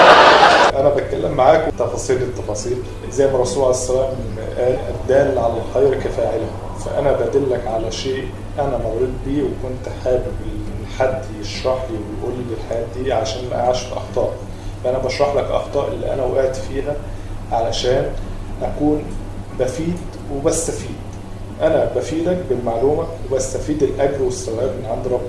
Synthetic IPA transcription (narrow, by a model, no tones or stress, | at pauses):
ʔænæbæt̪̚kælːemːaʕaːkwet̪ːɑfɑːsˤiːlet̪ːɑfɑːsˤiːl | zæjːmɑɾˤːɑsˤuːlʕalæsːælæːm | ʔæːlʔæ̰b̚d̪æːlʕalælxæjɾkæfæːʕelæ | fæʔænæbæd̪ælːækʕalæʃeːʔ | ʔænæmaʕɾuːd̪̚biːwekont̪ħaːbebeħad̪ːjeʃɾˤɑħliwejʔuːlːelħajæːt̪̚d̪iːʕalæʃæːnmæ̰ʔæ̰ʕaːʃefʔɑ̰xt̪ˤɑːʔ | fæʔænæbɑʃɾˤɑħlækʔɑ̰xt̪ˤɑːʔelːḭʔæ̰næwʔæːt̪fiːɦæʕalæʃæːnʔækuːnbæfiːd̪ | webæst̪æfiːd̪̥ | ʔænæbæfiːd̪æk̚belmaʕluːmæwebæst̪æfiːd̪elʔæɡɾwesːæwʔæːbenʕand̪ɾˤɑbː